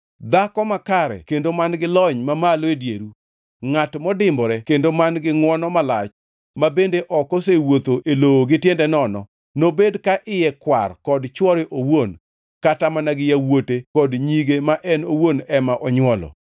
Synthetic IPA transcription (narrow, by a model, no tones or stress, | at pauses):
d̪akɔmakaɾɛ̰kendomanɡɪlɔɲmamaledjeɾu | ŋatmɔdɪmbɔɾɛkendomanɡɪŋwɔnɔmalat͡ʃ | mabendeʔɔkosewot̪oʔelooɡɪtjɛndɛnɔnɔ̰ | nobedkaʔɪjɛkwa̰rkɔdt͡ʃwɔɾɪʔowon | katamanaɡɪjawotekɔdɲiɡemaʔɛnowonɛmaʔɔɲwɔlɔ̰